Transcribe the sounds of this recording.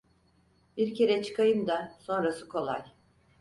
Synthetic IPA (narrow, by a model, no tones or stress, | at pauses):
biɾcʰe̞ɾɛt͡ʃʰɯ̥kʰajɯmd̪aso̞nɾasɯkʰo̞lˠa̰j